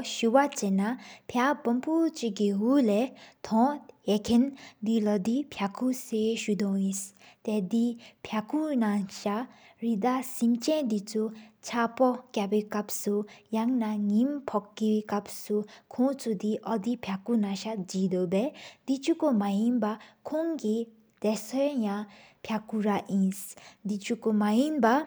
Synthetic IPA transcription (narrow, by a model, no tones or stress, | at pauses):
ɕuwat͡ɕenapʰabɔmpʰut͡ɕikiɦulɛt̪ʰɔ̃jekʰend̪ilɔd̪ipʰjakʰuseɕud̪ɔŋjist̪ɛd̪ipʰjakʰunaɕa | ɹid̪asimt͡ɕɛ̃nd̪it͡sʰut͡ɕʰapɔkabekap̚sujaŋnaŋimpʰɔkːiekapsukʰõt͡sʰud̪iʔɔd̪ipʰjakunaɕad͡ʒid̪obɛd̪it͡ʃʰukomajinbakʰoŋɡi | d̪̥ɛsɔjjãpʰjakuɾaʔĩsd̪it͡ʃʰukomajinba